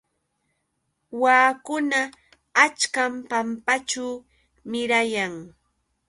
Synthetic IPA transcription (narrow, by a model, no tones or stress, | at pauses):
waːkʊnaː | t͡ʃkampampat͡ʃaː | mɪɾajaŋ